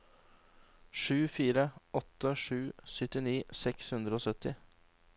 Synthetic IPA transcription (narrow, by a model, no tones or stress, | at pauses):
ʂʉːfiːɾəɔt̪ːəʂʉːsœt̪ɪniːsɛkshʉnd̪ɾəoːsœt̪ɪ